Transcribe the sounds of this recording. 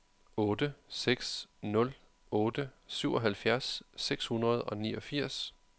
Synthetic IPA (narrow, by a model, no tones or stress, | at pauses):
ɔːd̥əseɡ̥snɔ̽l | ɔ̽ːd̥əsyʊ̰ɒ̽ɦælfjæɐsːeɡ̥shunʁɐð̞̩ˠɒ̽nḭːɒ̽fiɐ̰s